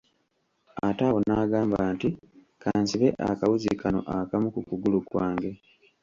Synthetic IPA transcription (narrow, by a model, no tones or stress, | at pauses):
atawonaɡaːmbaːnti | kʰaːnsiβe̞ʔa̰kawuzḭkano̞̰ʔakamukukuɡulukwaːŋɡe̞